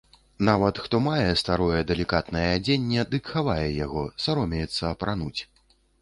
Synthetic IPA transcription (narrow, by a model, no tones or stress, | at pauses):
navɐt̪xt̪ɔmajɛst̪aɾɔjɛd̪ɛlʲikat̪nɐjɛːd͡zʲenʲːɛd̪ɨkxavajɛjaɣɔsaɾɔmʲɛjɛt̪sːɐːpɾanut͡sʲ